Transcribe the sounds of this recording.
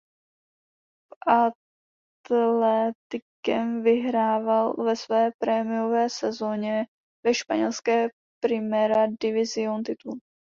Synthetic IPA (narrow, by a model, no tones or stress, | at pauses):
ʔa | t̪lɛt̪ɪkɛmvɪɦɾaːvalvɛsvɛːpɾɛmɪjovɛːsɛzoɲɛ | vɛʃpa̰ɲɛlskɛː | pɾɪmɛɾadɪvɪzɪont̪ɪt̪ul